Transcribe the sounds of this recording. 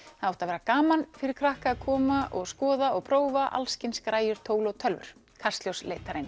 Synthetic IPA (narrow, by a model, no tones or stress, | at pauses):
θaawht̪aðvɛːɾakaːmanfɪɾɪɾ̥kʰɾahkaːðkʰɔːmaʔɔɣskɔːðaɔɣpʰɾoːwvaʔa̰lscɪnskɾaːjʏɾ̥t̪ʰoːwlɔwt̪ʰœlvʏ̰ɾ̥ | kʰar̥st̪ljowsleːjt̪aɾɪn